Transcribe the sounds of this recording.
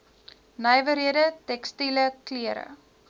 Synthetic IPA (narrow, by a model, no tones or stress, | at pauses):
nəjvəɾiədətɛkstiləkliəɾə̰